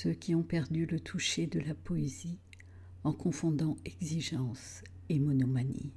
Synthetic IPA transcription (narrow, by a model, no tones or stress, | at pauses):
søkʲʰiɔ̃pɛʁd̪ylət̪ʰuʃed̪əlapɔezi | ɑ̃kɔ̃fɔ̃d̪ɑ̃ɛɡziʒɑ̃s | emɔnɔmanḭ